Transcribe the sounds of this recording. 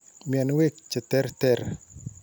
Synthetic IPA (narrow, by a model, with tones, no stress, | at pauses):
mjɛ˨nwe˦kt͡ʃɛ˨tɛ˦ɾt̪ɛ˦ɾ